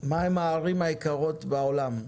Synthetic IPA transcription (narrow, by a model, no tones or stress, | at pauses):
maemaːʁimaikaʁo̞t̪baolam